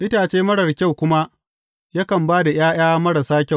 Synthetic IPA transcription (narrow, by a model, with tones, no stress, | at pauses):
ʔɪ˦taː˨t͡ʃeː˦mɐ˦ɽɐ˨rkʲa˦˨wkʷʊ˦ma˦ | jɐ˦kɐ˨mbaː˦da˨j̰aː˦j̰aː˦mɐ˦ɽɐ˨saː˦kʲa˦˨w